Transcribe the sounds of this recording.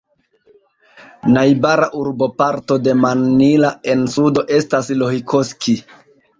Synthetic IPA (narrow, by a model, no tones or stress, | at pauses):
najbaɾaʔuɾbo̞paɾto̞de̞manːilae̞nsudo̞ʔe̞staslohikoski